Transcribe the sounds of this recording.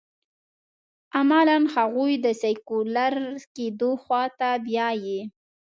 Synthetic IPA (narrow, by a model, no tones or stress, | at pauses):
amalanhaɣujd̪əsakulaɾked̪oxwɑt̪abjɑje